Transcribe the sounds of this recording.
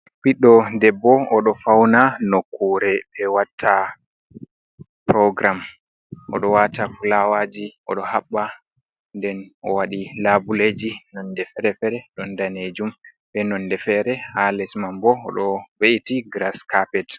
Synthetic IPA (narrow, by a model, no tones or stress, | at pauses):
piɗɔdɛbːɔɔɗɔfawnanɔkʰːuːɾɛbɛwatʰːa | pɾɔɡɾam | ʔɔ̰ɗɔwatafulawad͡ʒiɔ̰ɗɔhaɓːa | ndɛnɔ̰waɗilabuled͡ʒinɔndɛfɛɾɛfɛɾɛɗɔndaned͡ʒum | ɓɛnɔndɛfɛɾɛhalɛsmambɔːɗɔweʔitiɡɾaskapɛt